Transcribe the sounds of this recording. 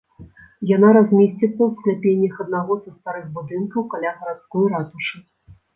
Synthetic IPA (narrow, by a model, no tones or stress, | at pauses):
jan̪aɾazʲmʲesʲt͡sʲit̪sɐwsklʲapʲenʲːɐxɐd̪̚naɣɔzɐst̪aɾɨɣbud̪ɨnkɐwkalʲaɣɐɾat̪skɔjɾat̪uʂɨ